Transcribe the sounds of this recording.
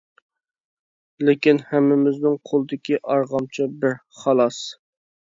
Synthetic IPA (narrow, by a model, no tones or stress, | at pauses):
lɪkʲinhɛmːɪmɪznɪŋqʰolˠɨd̪ɪkʲiʔɑɾʁɑmt͡ʃʰibɪɾ | χɑlˠɑs